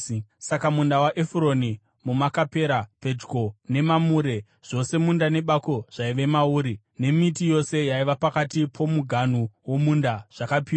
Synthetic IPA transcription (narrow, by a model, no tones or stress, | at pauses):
sakamundawaʔefuɾo̞ni | mumakapeɾape̞d͡ʒɡo̞ne̞mamuːɾe̞ | ʐ̥o̞se̞mundane̞ɓako̞ʐ̥aiʋe̞mauːɾi | ne̞mitijo̞se̞jaiʋapakatipʰo̞muɡʱanuwo̞mundaʐ̥akapiwa